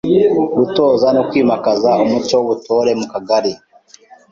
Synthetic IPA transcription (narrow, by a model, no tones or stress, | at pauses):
βutoːzanokwiːmakazaomut͡ʃoβutoɾemukaɡaɾi